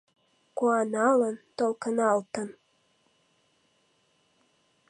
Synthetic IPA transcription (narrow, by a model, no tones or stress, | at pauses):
kuɑnɑlˠənt̪olˠkənɑlˠt̪ən